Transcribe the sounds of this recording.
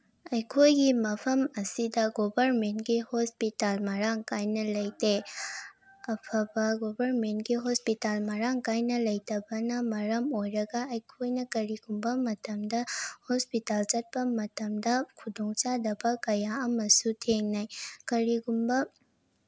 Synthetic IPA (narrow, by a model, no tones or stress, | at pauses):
ɐjkʰojɡimɐpʰɐmɐsidɐɡobʱɐɾmentɡihospitalmɐɾaŋkajnɐlɐjte | ɐpʰɐbɐɡobʱɐɾmentɡiɦospitalmɐɾaŋkajnɐlɐjtɐbɐnɐmɐɾɐmojɾɐɡɐɐjkʰojnɐkɐɾiɡumbɐmɐtɐmdɐhospitalt͡ʃɐt̚pɐmɐtɐmdɐkʰudoŋt͡ʃadɐbɐkɐjaɐmɐsutʰeŋnajkɐɾiɡumbɐ